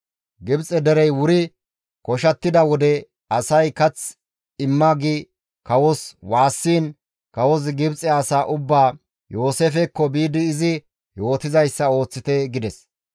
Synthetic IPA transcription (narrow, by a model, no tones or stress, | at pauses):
ɡɪbt͡sʼɛd̪ɛɾɛjwʊɾɪ | kɔʃɐt̪ːɪd̪ɐwɔd̪ɛ | ɐsɐjkɐt͡s | ɪmːɐɡɪ | kɐwɔswaːsːiːn | kɐwɔs̬ɡɪbt͡sʼːɛɐsaːʔʊbːaː | jo̞ːseːfɛkːɔbiːd̪ɪːzɪ | jo̞ːt̪ɪzɐjsːɐo̞ːt͡sːɪt̪ɛɡɪd̪ɛs